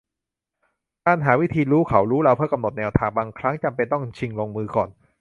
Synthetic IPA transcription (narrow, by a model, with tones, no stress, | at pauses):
kaː˧nɦaː˩˦wi˦˥t̪ʰiː˧ɾuː˦˥kʰa˩˦wɾuː˦˥ɾa˧wpʰɯ˥˩ɐka˧mno˨˩t̪̚nɛː˧wt̪ʰaː˧ŋbaː˧ŋkʰɾa˦˥ŋt͡ɕa˧mpe˧nt̪ɔ˥˩ŋt͡ɕʰi˧ŋloː˧ŋmɯː˧kɔː˨˩n